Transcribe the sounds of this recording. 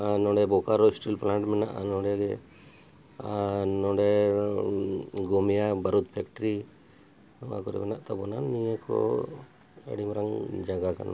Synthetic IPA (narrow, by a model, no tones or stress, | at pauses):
nɔ̃ɖɛbɔkaɾɔisʈilplaɳʈmɛnaʔnɔ̃ɖɛɡɛ | nɔɖɛ | ɡɔmijabaɾut̪̚pʰɛkʈɾi | ɔwa̰kɔɾɛ̰mɛnaʔt̪ɔbɔnanijekʰɔ̰ | ḛɽimɾaŋd͡ʒaɡaka̰n